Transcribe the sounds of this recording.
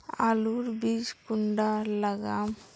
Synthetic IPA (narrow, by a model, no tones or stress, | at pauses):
aluɾbid͡ʒkuɳɖalaɡam